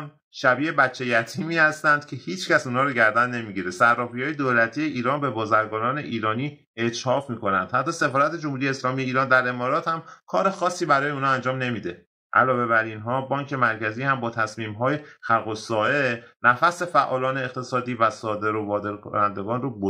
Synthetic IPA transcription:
m | ʃæbiːebæt͡ʃʰːe̞jæt̪ʰiːmiːhæst̪ænd̪̥̚cʰe̞hiːt͡ʃcæsunhɒːɾoɟæɾd̪ænːe̞miːɟiɾesæɾːɒːfijɒːjed̪oːlæt̪ʰije̞ʔiːɾɒːnbe̞bɒːzæɾɡɒːnɒːne̞ʔiːɾɒːniː | e̞t͡ʃhɒːfmiːko̞nænd̪̥hæt̪ːɒːse̞fɒːɾæt̪e̞d͡ʒomhuɾijeslɒːmije̞iːɾɒːnd̪æɾe̞mɒːɾɒːt̪hæmkʰɒːɾe̞xɒːsːiːbæɾɒːjeuːnhɒænd͡ʒɒːmne̞miːd̪e | ʔæ̰lɒːve̞βæɾinɦɒːbɒːŋcʰe̞mæɾcʰæziːhæmbɒːt̪ʰæsmiːmɦɒːje̞xælɣosɒːʔe̞næfæsefæʔɒːlɒːne̞ːqt̪ʰe̞sɒːd̪iːvæsɒːd̪e̞ɾovɒːd̪eɾkʰo̰nænd̪e̞ɡɒːnrobo

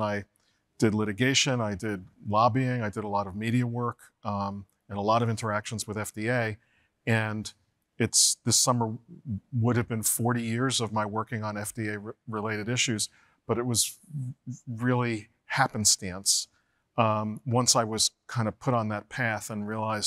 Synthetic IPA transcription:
aɪ | d̥ɨdˡlɪɾɨɡeɪʃɨ̃naɪdɪd̚lɑbiɪ̃ŋaɪdɨɾəlɔɾʌvmiɾiɨwɜ˞k | ɨ̃nəlɔɾʌvɪ̃ntʰə˞ækʃn̩zwəðɛfd̥ieɪ | ɨ̃n | ɨtsðɪsʌmə˞wʊɾɨvbɨ̃nfɔɹɾijɪɹzʌvmaɪwɜ˞kɪ̃ŋə̃nɛfd̥ieɪɹɨleɪɾɨɾɪʃʉz | b̥ʌɾɨt̚wʌz | ɹɪlˠi | hæpɨ̃n̩stæ̃ns | wʌ̃nsaɪwʌz̥kʰãɪ̃ndʌv̥pʰʊɾn̩ðət̚pʰæθə̃nɹiəlaɪz

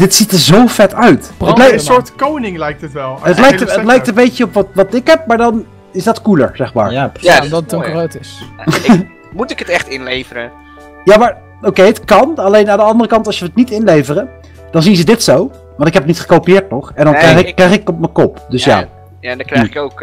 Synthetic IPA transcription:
d̥ɪtsitəɹzowfɛtœɥtːlɛjksoːɹtkownɪŋlɛjk̚tətʋɛlˠətlɛj̚tətlɛjktəmbejcəɔpʋɑtʋɑtɪkɦɛp̚maːɹdɑn | ɪzdɑtkulə̰ɹz̥ɛχma̰ːɹadtkroːtɪs | mutɪkətɛχtɪnlejvəɾə | jaːmaːɹ | owkejətkɑnɑlejnaːndəɑndərəkɑntɑsjəətnitɪnlejvərə | d̥ɑnzinzədɪtsow | ʋɑntɪkɦɛpət̚nitχə̥kowpijɪːɹt̚nɔχɛndɑnkrɛjχɪkːrɛjχɪkɔp̚məkɔpdɵsja̰ː | jandkowk

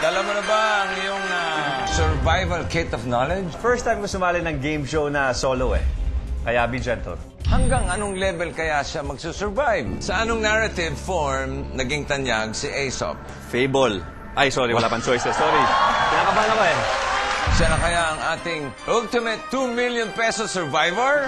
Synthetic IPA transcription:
d̪ɐlɐmɐnɐbaʔɐŋɪjoŋɐsɛɹvajvɐlkʰet̪ɔvnolɛd͡ʒfɛɹst̪ajmkʊsʊmaːlɪnɐŋɡejmʃownɐsoːloɛ̰kɐjabid͡ʒɛnt̪o̰ | hɐŋɡaŋɐnoŋlɛvɛlkɐjaʃamɐɡsusɛɹvajvsɐʔɐnoŋnaɹɐt̪ɪvfoɹmnɐɡɪŋt̪ɐnjaɡ̚sɪʔejso̰p̚ | fejbol | ʔajsoɾiwɐlaːpɐnt͡ʃɔjsɐst̪oɾid͡ʒpɪnakɐbanɐkoɛ | sɐɾɐkɐjaʔɐŋʔaːt̪ɪŋʔʊlt̪ɪmɛt̪ːumiljonpɛsosɛɹvajvɛɹ

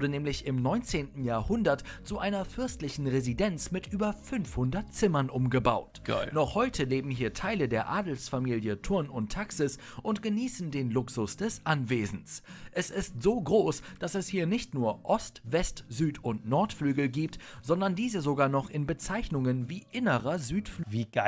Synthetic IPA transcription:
dənɛːmlɪçɪmnɔʏnt͡seːntn̩jaːɐhʊndɐtt͡suʔaɪnɐfʏɐstlɪçn̩ʁezidɛnt͡smɪtʔyːbɐfʏnfhʊndɐtt͡sɪmɐnʔʊmɡəba̰ʊtnɔχhɔʏtʰəleːbm̩hɦiːɐtʰaɪlədeːɐʔaːdl̩sfamiːljətʰʊɐnʊntʰːaksɪs | ʔʊntɡ̥əniːsn̩deːnlʊksʊsd̥ɛsʔanveːzn̩sʔɛsɪstz̥oːɡʁoːsd̥asɛshiːɐnɪçtnuːɐʔɔstv̥ɛstzyːtʊntnɔɐtflyːɡl̩ɡiːp̚tz̥ɔndɐndiːzəzoɡaːɐnɔχɪnbət͡saɪçnʊŋənviːʔɪnəʁɐzyːtfvi

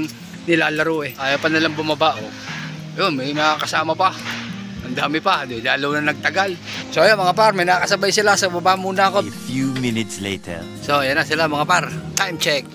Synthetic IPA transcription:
nɪlaːlɐɾoʔɛʔaːjapɐnɐlaŋbʊmabaʔo | ɐjonmɐjnɐakɐsaːmɐpa | ɐnd̪aːmɪpad̪laːlownɐnɐɡ̚t̪ɐɡal | soɐjomɐŋapaɾmɐjnɐakɐsɐbajsɪlasɐbabamuːnɐɐkofjumɪnɪt̪slḛt̪ʰɛ̰ɹ | sojanːasɪlamɐŋapaɾt̪ajmt͡ʃɛk̚

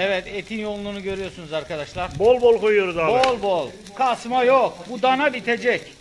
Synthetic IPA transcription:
ɛvɛt̪ʰet̪ʰinjo̞lˠːunuɟø̞ɾyjo̞ɾsunuzaɾkʰad̪aʃlˠaɾbolˠbolˠkʰojujoɾuzabolˠbolˠ | kʰasmajokbud̪anabit̪ʰed͡ʒɛc

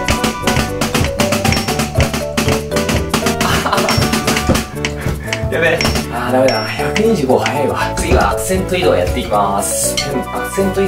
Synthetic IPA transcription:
jameaːd̪ame̞d̪açakɯ̟ɲ̟iʑɨːɡo̞hajaɾebaat͡sɨiβa̰ːkɯ̟̥sẽ̞nt̪o̞id̪o̞jat̪ːe̞kʲimasɨ̥ɯ̃akɯ̟̥sẽ̞nt̪oi

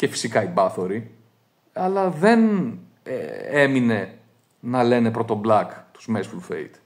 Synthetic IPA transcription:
ce̞fi̥sikɐibɐθo̞ɾi | ɐlɐðe̞n | e̞mine̞ | nɐle̞ne̞pɾo̞t̪o̞blɐkt̪u̥zmesfulfḛjt̪

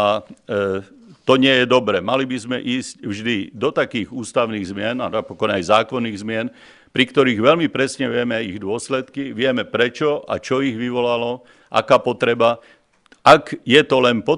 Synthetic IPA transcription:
a | t̪ɔɲɪɛjɛd̪ɔbɾɛmalibizmɛʔiːscvʒd̪id̪ɔt̪akiːɣuːst̪aʊniːɣzmɪɛnanapɔkɔnajzaːkɔnːiːɣzmɪɛn | pɾikt̪ɔɾiːɣʋɛlmipɾɛsɲɛʋɪɛmɛajiɣd̪ʊɔslɛt̪kiʋɪɛmɛpɾɛt͡ʃɔʔa̰t͡ʃɔiɣʋiʋɔlalɔ | ʔa̰kaːpɔt̪ɾɛba | ʔaɡjɛt̪ɔlɛnpɔ

